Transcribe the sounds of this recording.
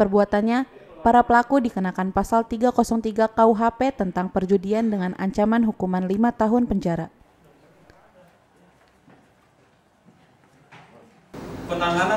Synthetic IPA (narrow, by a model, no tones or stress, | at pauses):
pərbuat̪anɲa | paɾapəlakudikənakanpasalt̪iɡakɔsɔŋt̪iɡakauɦapet̪ənt̪aŋpərd͡ʒudiandəŋanʔa̰ɲt͡ʃamanɦukumanlimat̪aɦʊnpəɲd͡ʒaɾa | pət̪aŋan